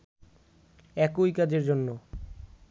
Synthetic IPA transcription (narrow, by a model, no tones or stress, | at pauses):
ɛkojkad͡ʑeɾd͡ʑonːo